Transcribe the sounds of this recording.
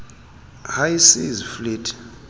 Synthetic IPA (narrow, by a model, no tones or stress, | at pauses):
hajsizfliːtʰʼ